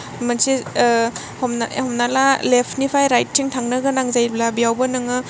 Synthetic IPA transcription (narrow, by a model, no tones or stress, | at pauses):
mansi | hɔmnahɔmnalalepʰnipʰajɾajt̚ːʰiŋtʰaŋnaɡɐnaŋzajɾblabijawbɐnɯŋɯ